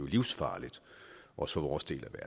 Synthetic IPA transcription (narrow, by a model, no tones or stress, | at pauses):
oliʊsfɑ̰̈ːlid̥ʔɒ̽sə̥fɒʋɒːsd̥e̝̰ːlʔæʋæɐ